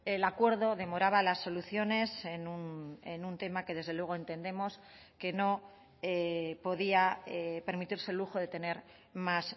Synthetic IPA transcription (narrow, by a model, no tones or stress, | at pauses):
elakwe̞ɾðo̞ðe̞mo̞ɾaβalasːo̞luθjo̞ne̞senunenunt̪e̞make̞ðe̞zðelwe̞ɣoe̞nt̪e̞nd̪e̞mo̞s | ke̞no̞ | epo̞ðiaepe̞ɾmit̪iɾse̞lːuxo̞ðe̞t̪e̞ne̞ɾ | mas